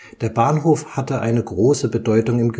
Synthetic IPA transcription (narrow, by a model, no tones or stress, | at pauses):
d̥eːɐbaːnɦoːfhatəʔa̰ɪnəɡʁoːsəbədɔʏtʊŋɪmɡə